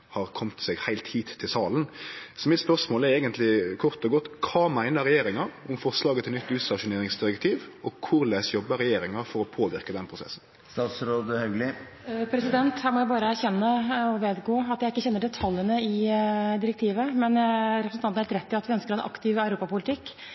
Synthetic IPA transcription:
hɑɾkʰɔmt̪sɛːɡhæɪlt̪hiːt̪ʰːɪlsɑːlənsɔmɪt̪spœʁʂmoːlɛɾɛːɡənt̪lɪkʰʊɾt̪ɔɡɔt̪ːkʰɑːmæɪnəɾɛjeːɾɪŋɑɾʊmfɔɾslɑːɡət̪ʰɪlnʏt̪ːʉːst̪ɑʂʊneːɾɪŋsd̪ɪɾəkt̪ʰiːʋɔkʰʊɾleːsjɔbːəɾɛjeːɾɪŋɑfɔɾɔpʰoːʋɪɾkəd̪ɛnpʰɾʊsɛ̰sn̩ | st̪ɑːt̪sɾoːd̪əhɑʉɡlɪ | pʰɾɛsɪd̪ɛnt̪hæːɾmɔjæɪbɑːɾəæɾçɛnːəɔʋeːd̪ɡoːɑt̪jæɪɪkːəçɛnːəɖɛt̪ʰɑljənəɪd̪ɪɾək̚t̪ʰiːʋəmɛnɾɛpɾəsnɑnæhelt̪ɾɛt̪ːɪɑt̪ʋɪœnskəɾɛnʔɑ̰kt̪ɪʋɑʉɾuːpɑpʊlɪt̪ʰɪkː

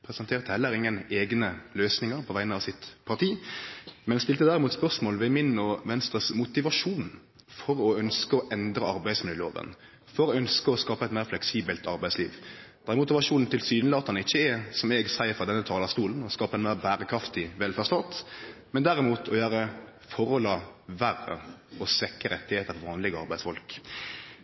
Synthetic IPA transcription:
pʰɾɛsɛnt̪ʰeːʁt̪əhɛlːəɾɪŋːəneːɡnəløːsnɪŋəɾpʰɔʋæɪənɑʋsɪt̪pʰɑʁt̪ʰiːmɛnsp̪ɪlt̪əd̪æːɾɪmuːt̪spœʁsmoːlʋɛmɪnɔːʋɛnst̪ʁəsmʊt̪ɪʋɑʂuːn | fɔɾɔœnskəɔʔɛnd̪ɾəɑɾbæɪsmɪlyːlo̰ːʋə̰n | fɔɾɔœnskəɔskɑːpəɛt̪mæɪɾflɛksiːbəlt̪ʰɑɾbæɪslḭːʋd̪̥æɛɾmʊt̪ɪʋɑʂuːnn̩t̪ʰɪlsyːnəlɑːt̪ʰɑnɪçːəɛsɔmɛɡsæɪəɾfɾɑd̪ɛnːət̪ʰɑːlɑst̪uːln̩ɔskɑːpəɛnmæɪʁbæːɾəkʰɾɑft̪ɪʋɛlfæʁst̪ɔnt̪mɛnd̪æɾɪmuːt̪ʰɔjøːɾəfɔɾɔlɑʋærə̰ɔsʋɛkːəɾɛt̪ːɪheːt̪əfɔɾʋɑːnlɪɡəɑɾbæɪsfɔlk

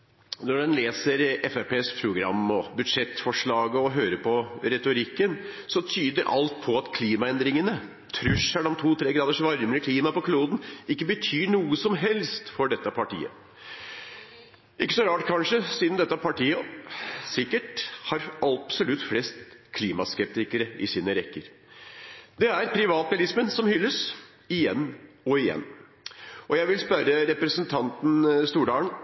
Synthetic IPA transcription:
nɔɖɛnleːsəɾɛfɛpeːspʰɾʊɡɾɑ̰mːɔbʉd̪ʂɛt̪ːfɔʂɭɑːɡəɔɦøːɾəpʰɔɾɛt̪ʊɾɪkːənsɔt̪ʰyːd̪əɾʔɑ̰lt̪̚pʰɔɑt̪kʰliːmɑɛnd̪ɾɪŋənə | t̪ʰɾʉʂəɖɔmt̪ʰuːt̪ʰɾeːɡɾɑːd̪əʂʋɑɾməɾəkʰliːmɑpɔkʰluːd̪n̩ɪkːəbət̪ʰyːɳuːəsɔmɦɛlst̪fɔɖɛt̪ːəpʰɑʈḭːə̰ | ʔɪkːəsɔɾɑːʈkʰɑnʂəsiːd̪nd̪ɛt̪ːəpʰɑʈiːə | sɪkːəʈhɑɾɑpsɔlʉt̪ːflɛst̪kʰliːmɑ̰skɛp̚t̪ɪkəɾəɪ̰siːnəɾɛkːəɾ | d̪ɛæɾpʰɾɪʋɑːt̪̚bɛlɪsmənsɔmhʏlːəs | ɪjɛ̰nː | ɔɪjɛ̰nː | ʔɔjæɪʋɪlspœɾəɾɛpɾəsənt̪ʰɑnt̪n̩st̪uːɖɑːləɳ

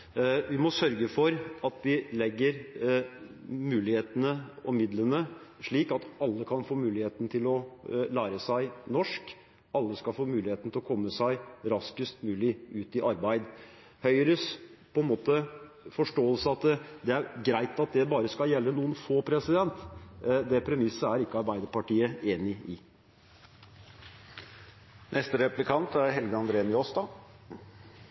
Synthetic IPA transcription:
ʋɪmɔsœɾɡəfɔɾɑt̪d̪ɪlɛɡːəɾ | mʉːlɪheːt̪ənəɔmɪd̪lənəʂɭiːkɑt̪ɑlːəkʰɑnfoːmʉːlɪheːt̪n̩t̪ʰɪlɔlæːɾəsæɪnɔʂk | ɑlːəskɑlfoːmʉːlɪheːt̪n̩ɪlɔkʰɔmːəsæɪɾɑskəst̪mʉːlɪʉːt̪ɪʔɑɾbæɪd̪ | hœʏəɾəspʰɔɛnmoːt̪ə | fɔʂʈoːəlsəɑt̪d̪ɛæɾɡɾæɪt̪ɑt̪̚d̪ɛbɑːɾəskɑjɛlːənuːənfoːpʰɾɛsɪd̪ɛnt̪d̪ɛpʰɾɛmɪsəæɾɪkːəɑɾbæɪd̪əpɑʈiːəeːnɪɪ | nʔɛst̪əɾɛplɪkʰɑnt̪æɾhɛlɡəɑnd̪ɾeːnjost̪ɑ

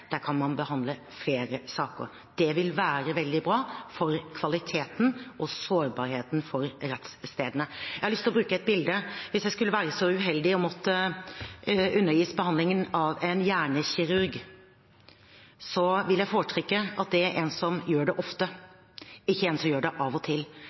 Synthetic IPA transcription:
d̪̥æːɾkʰɑnmɑnbəhɑnd̪lə | fleːɾəsɑːkə̰ɾ | d̪̥ɛʋɪlʋæːɾəʋɛld̪ɪbɾɑːfɔɾkʰʋɑlɪt̪ʰeːt̪nɔsoːɾbɑɾheːt̪n̩fɔɾɾɛt̪sːt̪eːd̪ənəjæɪhɑɾlʏst̪ɪlɔbɾʉːkəɛt̪̚bɪld̪əʋɪsjæɪskʉlːəʋæːɾəsɔʉɦɛld̪ɪɔmɔt̪ːə | ʉnːəɾjiːsbəhɑnd̪lɪŋənɑʋɛnjæːɳəçɪɾʉɾɡ | sɔʋɪljæɪfoːɾəʈʰɾʏkːəɑt̪̚d̪ɛæɾʔɛːnsɔmjøːɖɛʔɔft̪ə | ɪçːəeːnsɔmjøːɖɛʔɑʋɔt̪ʰɪlː

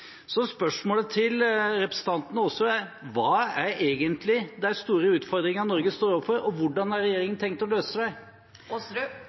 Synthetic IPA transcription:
sɔspœʂmoːlət̪ʰɪlɾɛpɾəsən̩t̪ʰɑnt̪nəɔsːɔæʋɑːæɾeːɡənt̪lɪd̪æst̪uːɾəʉːt̪fɔɾd̪ɾɪŋɑnɔɾɡəst̪oːɾɔpfɔɾɔʋʊɖɑnɑɾɾɛjeːɾɪŋənt̪ʰɛŋk̚t̪ɔløːsəsæɪ

